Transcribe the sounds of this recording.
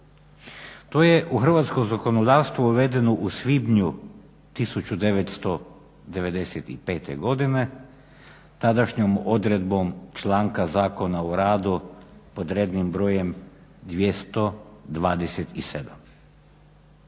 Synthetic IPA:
t̪oːjeʔuxr̩ʋaːt̪skomzakonod̪aːʋst̪ʋuuʋe̞d̪e̞noʔusʋibɲu | t̪isut͡ʃud̪e̞ʋet̪st̪o̞ | d̪e̞ʋe̞d̪e̞set̪ḭpe̞ːt̪ḛɡo̞d̪ine̞ | t̪ad̪aʃɲomo̞d̪ɾe̞d̪bo̞mt͡ʃlˠaːŋkazaːko̞naoɾaːd̪upo̞d̪ɾeːd̪nimbɾo̞ːjemd̪ʋʲjest̪o̞d̪ʋaːd̪eset̪ised̪am

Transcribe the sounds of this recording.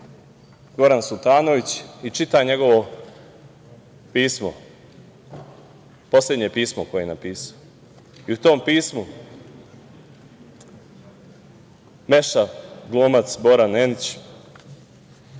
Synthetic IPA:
ɡo̞ɾansut̪aːnoʋit͡ɕit͡ʃit̪aɲe̞ɡo̞ʋo̞ | piːsmo̰ | po̞slʲe̞d̪ɲe̞piːsmoko̞jenapiːsḁo | iut̪o̞ːmpiːsmu | me̞ʃaɡlˠoːmat̪sbo̞ɾanenit͡ɕ

